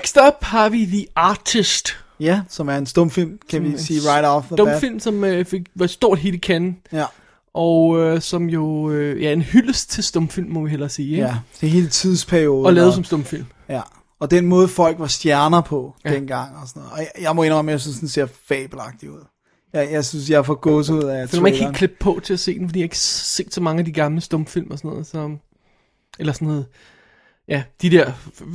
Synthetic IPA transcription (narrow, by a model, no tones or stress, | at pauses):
ɡ̥sd̥ɒb̥hɑ̈ʋidiɑ̈ːt͡sʰisd̥jæsɒ̽mæɐe̝nsd̥ɔ̽mfil̰mkʰæʋisiːʁɑ̈ɪɾɒfðədɔ̽mfil̰msɒ̽møfe̝ɡ̥ʋɑ̈sd̥o̝ɐ̰d̥ɦe̝ːləkʰæn | ʔɒ̽øsɒ̽mjo̝øjæe̝nhyləst͡sʰe̝sd̥ɔ̽mfil̰mːɒ̽ʋiɦelɐsiːeæd̥eɦe̝ːlət͡sʰið̰ˠspʰæɐio̝ːðˠɒlɛːʊðˠsɒ̽msd̥ɔ̽mfil̰m | jæ | ɒ̽d̥enmɔ̽ːð̞ˠfɒ̽l̰ɡ̥ʋɑ̈sd̥jæɐnɐpʰɒ̽j̥enɡ̥ɑ̈ŋ̰ɒ̽sɔnɔ̽ːð̩ˠɒ̽jjɑ̈ɪmɔ̽e̝nʁɒ̽mjas̬ynsd̥ense̝ɐfɛːb̥l̩ɑ̈ɡ̥̚d̥iuð̰ˠ | jɑɪjɑɪsynsjɑ̈fɒɡ̥ɔ̽ːs̬əuð̞̰ˠæflmænekʰːekʰleb̥̚pʰɒ̽t͡sʰe̝æse̝̰ːd̥enfdḭːhe̝ɡ̥se̝̰ːd̥sɒ̽mɑ̈ŋəæd̥iɡ̥ɑ̈mləsd̥ɔ̽mfil̰mɒsɔnɔ̽ːðˠsɒ̽m | elɐsɒnɔð̩ˠ | jæd̥id̥ɛɐ̰